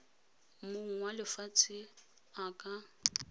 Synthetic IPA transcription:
mʊŋ̩walɪfat͡sʰʼɪ | akʼa

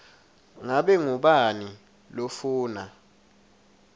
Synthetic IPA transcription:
ŋaɓɛŋuɓani | lofuːna

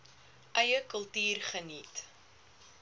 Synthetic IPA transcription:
ʔœjəkəlˠtiːrχənit

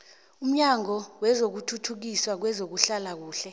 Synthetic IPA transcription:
um̩ɲaŋɔwɛzok̬utʰutʰuk̬iswak̬wɛzok̬uɬalak̬uːɬɛ

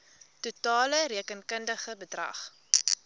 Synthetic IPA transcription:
tutɑːləɾiəkənkəndəχəbədrɐ̰χ

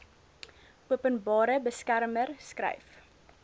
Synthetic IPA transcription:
uəpənbɑːɾəbəskæɾmərskrɛ̰jf

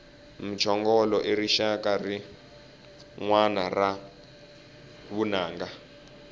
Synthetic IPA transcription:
mit͡ʃʰɔŋɡɔlɔʔeriʃakari | ŋwanara | βunaːŋɡa

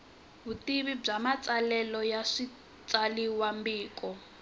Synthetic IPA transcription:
ɦutiβib͡ʐamat͡sʼalɛlɔjaʂi | t͡saliwambiːkɔ

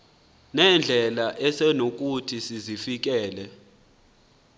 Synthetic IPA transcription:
nɛnd͡ɮʱɛlaʔɛsɛnok̬ʼutʰisizifik̬ɛːlɛ

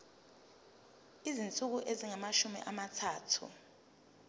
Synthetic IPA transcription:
izint͡sʼuk̬uʔeziŋamaʃumḭʔamatʰaːtʰṵ

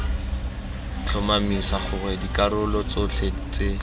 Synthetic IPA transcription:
t͡ɬʰɔmamisaχʊrɛdikaɾʊlɔt͡sʊt͡ɬʰet͡se

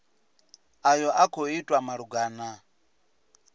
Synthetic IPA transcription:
ajɔʔakʰoitʼwamaɺuɡaːna

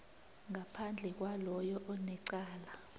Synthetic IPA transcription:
ŋapʰand͡ɮʱɛk̬walɔjɔʔɔnɛǀaːla

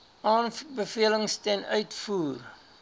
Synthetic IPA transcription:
ʔɑːnbəfiələŋstɛnœɥtfuːr

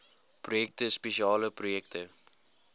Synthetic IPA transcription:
prujɛk̚təspeʃiɑːləprujɛktʰə

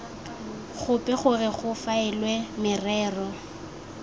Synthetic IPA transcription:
χʊpʼɛχʊrɪχʊfaɛlwɛmɪrɛːrɔ

